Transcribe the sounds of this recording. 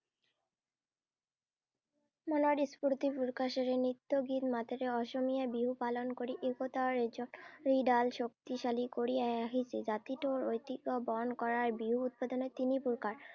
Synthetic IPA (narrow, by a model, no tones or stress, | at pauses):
mɔnoaɖispuɾt̪ipuɾkaʃeɾenit̪ːoɡit̪mat̪eɾeɔʃomijaebiɦupalonkoɾiʔekot̪aɾed͡ʑonɾiɖalʃok̚t̪iʃalikoɾieaɦised͡ʑat̪iʈoɾojt̪iɡobɔnkɔɾaɾbiɦuut̪̚pad̪onet̪inipuɾkaɾ